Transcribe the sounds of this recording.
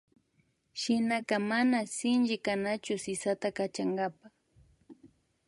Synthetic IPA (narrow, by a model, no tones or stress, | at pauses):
ʃɪnakamanasɪnt͡ʃɪkanat͡ʃʊsɪsat̪akat͡ʃaŋɡapa